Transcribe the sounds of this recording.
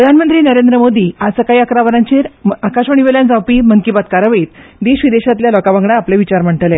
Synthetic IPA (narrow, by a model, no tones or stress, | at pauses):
pɾəd̪ʱanmənt̪ɾiːnəɾend̪ɾəmod̪iːasəkaiəkɾaʋəɾãɲt͡ɕeɾakaɕʋəɳ̃iʋeljand͡zawpiːməŋkibat̪kaɾəʋit̪d̪eɕʋid̪eɕat̪ljalɔkaʋaŋɡɽaapleʋit͡ɕaɾm̤əɳʈəle